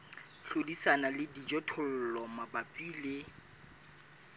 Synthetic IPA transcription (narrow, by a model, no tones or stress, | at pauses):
ɬodisanalɪdid͡ʒɔtʰʊl̩lɔmabapʼiːle